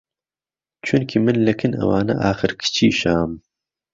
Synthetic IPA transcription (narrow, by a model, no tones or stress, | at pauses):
t͡ʃʰʊnkʰimɨnlɨkʰɨnɐ̰waːnɐ̰ʔaːxɨɾkʰɨ̥t͡ʃʰiːʃaːm